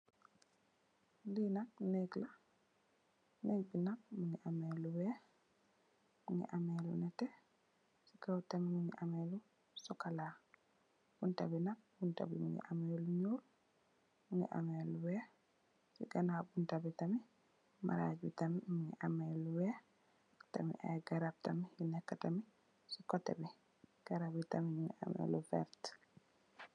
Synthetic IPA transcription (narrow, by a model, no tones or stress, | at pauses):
dinak̚neɡla | nek̚binak̚muŋiʔamɛluwɛ | muŋḭʔamɛlṵnɛtɛ | sikawtamimuŋiʔamɛlu | sɔkala | b̥unta̰binak̚bunta̰bḭmṵŋḭʔamɛluɲuːl | uɲḭʔa̰mɛluwɛ | sḭɡanabuntabitami | ma̰ɾa̰d͡ʒitamimuɲḭʔamɛluwɛ | ta̰mḭʔɛ̰ɡaɾab̚tamihinɛkːatami | sikɔtɛ̰bi | ɡ̥aɾabitamiɲuɲia̰mɛ̰lufɛ̰ɾt